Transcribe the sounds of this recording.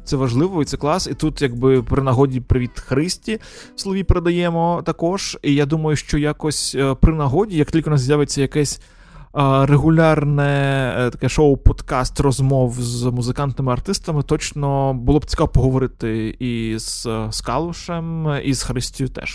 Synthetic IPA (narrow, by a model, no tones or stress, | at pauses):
t̪sɛʋɐʒlˠɪʋɔʋit̪sɛklˠɑsit̪ut̪jɐɡ̚bɪpɾɪnɐɦɔdʲipɾɪʋʲid̪xɾɪsʲtʲi | slˠɔʋʲipeɾed̪ɐjɛmɔt̪ɐkɔʒ̥ijad̪umɐjʊʃt͡ʃɔjakɔsʲpɾɪnɐɦɔdʲijɐk̚tʲilʲkɪʋɔnɑszʲjaʋet͡sʲːɐjɐkɛsʲ | reɦʊlʲarnɛt̪ɐkɛʃoʊpɔd̪kɑst̪rɔzmɔwzmʊzɪkɑnt̪nɪmɪɐrt̪ɪst̪ɐmɪt̪ɔt͡ʃnɔbʊlˠɔb̚t͡sʲi̥kɑʋɔpɔɦɔʋɔɾɪt̪ɪiz̥skɑ̰lˠʊʃɛmiz̥xɾɪsʲtʲjʊt̪ɛ̰ʃ